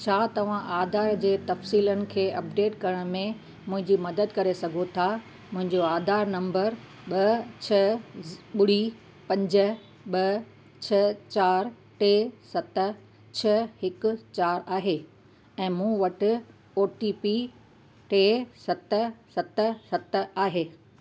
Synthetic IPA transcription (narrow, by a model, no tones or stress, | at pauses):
t͡ɕʰaːt̪ɐʋ̤ãʔaːd̪ʱaːɾd͡ʑeːt̪ɐfsiːlənɪ̆kʰeːʔɐp̚ɖeːʈkɐɾəɽ̃mẽ | mʊ̃ɦɪ̃ɲd͡ʑimɐd̪əd̪kɐɾesɐɡʱot̪ʰa | mʊ̃ɦɪ̃ɲd͡ʑoaːd̪ʱaːɾnɐ̃mbəɾ | ɓɐt͡ɕʰɐ | ɓʊɽ̤i | pɐ̃ɲd͡ʑə̆ | ɓɐ | t͡ɕʰɐt͡ɕaːɾ | ʈeːsɐt̪̆ | t͡ɕʰɐɦɪkʊ̆t͡ɕaːɾaːɦeː | ɛ̃ːmũːʋɐʈɪ̆ | oːʈipi | ʈeːsɐt̪ə̆sɐt̪sɐt̪aːɦeː